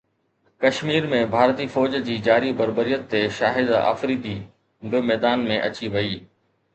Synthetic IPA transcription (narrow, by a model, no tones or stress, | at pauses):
kɐʃmiːɾmẽbʱaːɾt̪ifɔːd͡ʑd͡ʑiːd͡ʑaːɾibɐɾbəɾijət̪ːeʃaːɦɪd̪a̰ːfɾid̪i | bɪmɛːd̪aːnmẽʔɐ̰t͡ɕiʋɐiː